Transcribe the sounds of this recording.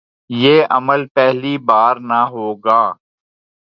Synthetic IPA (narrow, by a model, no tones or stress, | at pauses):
jeːʔəməlpɛɦlibaːɾnaɦoːɡaː